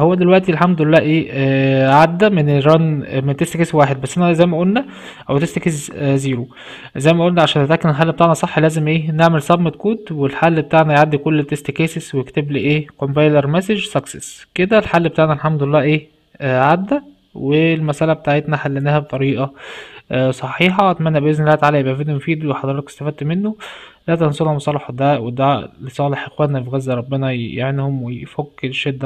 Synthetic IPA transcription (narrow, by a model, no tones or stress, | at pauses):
howːæd̪elwæʔt̪ilħamd̪oelːæːʔeː | ʕad̪ːæmeneɾɑnment̪est̪ekeswaːħed̪̚bæsːʔænæzæjːmæʔolnæ | ʔæwt̪est̪ækesziːɾu | zæjːmæʔolnæʕaʃæːnt̪et̪ʔækːenelħalːbet̪aʕnæsˤɑħːlæːzemʔeːneʕmelsˤɑbmet̪̚kuːd̪welħalːbet̪aʕnæjʕad̪ːikolːt̪ːest̪ekæːseswejekt̪ebliʔeːkombæjlɑɾˤmæseʒsˤɑksesked̪ælħalːbet̪aːʕnælħamd̪lːæːʔeː | ʕad̪ːæ | welmæsʔælæbet̪aːʕet̪næħalːenæhæbet̪ˤɑɾiːʔæ | sˤɑħiːħɑʔæt̪mænːæbeʔeznelːæːt̪ʕalæjebʔæfed̪imofiːd̪weħɑd̪ˤɑɾɑt̪ɑk̪e̥st̪æfæd̪̚t̪menːo | læːt̪ɑnsˤolhɑmɑsˤɑːleħod̪æʔwed̪ælisˤɑːleħʔexwænnːæfiɣæzːæɾˤɑbːenɑjḛʕenhomwefoɡːelʃed̪ːæ